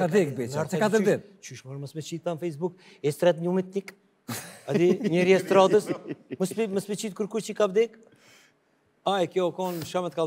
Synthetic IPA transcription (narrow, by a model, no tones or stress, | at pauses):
ad̪ikbiaɾsɛkat̪əɾd̪i | t͡ʃyʃmɔnməsmɛt͡ʃit̪t̪anfɛjs̬buk | ɛst̪ɾɛt̪ɲumit̪̚nik | ad̪iɲɛɾiast̪ɾad̪əsməspiməspit͡ʃit̪̚kuɾkuɾt͡ʃikabd̪ik | ajkjɔkɔnʃamɛt̪ka